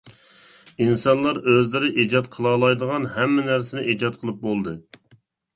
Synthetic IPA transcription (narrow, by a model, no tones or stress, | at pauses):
insɑnlˠɑɾøzlɪɾɪʔid͡ʒɑt̪̚qʰəlˠɑːlˠɑjd̪əʁɑnɦɛmːɪnæɾsɪnɪʔid͡ʒɑt̪̚qʰəlˠɨp̚bolˠd̪ɨ